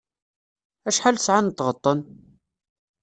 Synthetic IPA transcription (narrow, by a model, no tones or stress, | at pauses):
æʃħalsʕant̪ːʁət̪ˤːən